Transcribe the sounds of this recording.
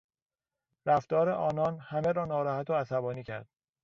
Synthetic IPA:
ɾæft̪ɒːɾeʔɒːnɒːnhæmeɾɒːnɒːɾɒːhæt̪ʰoæsæbɒːniːcʰæ̰ɾd̪̥̚

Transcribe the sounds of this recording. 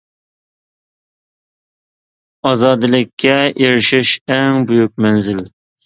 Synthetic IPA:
ɑzɑd̪ɨlɪkʲʰːɛeɾɪʃɪʃæŋbujuk̚mɛnzɪl

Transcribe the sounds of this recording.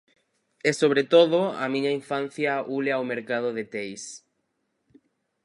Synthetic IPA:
ɛsoβɾet̪oðʊa̰mĩɲɐiɱfan̟θjɐuleawmeɾkað̞oðet̪ejs

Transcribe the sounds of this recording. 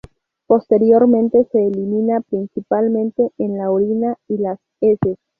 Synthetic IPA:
po̞st̪e̞ɾjo̞ɾmẽnt̪e̞se̞ːlimĩnapɾinsipalmẽnt̪e̞enlaoɾinailas | eses

